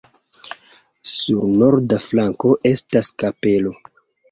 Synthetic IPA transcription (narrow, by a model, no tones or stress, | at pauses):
suɾno̞ɾdaflaŋko̞ʔe̞staskape̞lo̞